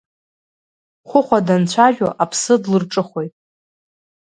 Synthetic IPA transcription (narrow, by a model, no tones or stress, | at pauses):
χʷʊχʷadant͡ɕʷʰaʒᶣoʔapʰsɨdlɨrʈ͡ʂʼɨχʷo̞jtʼ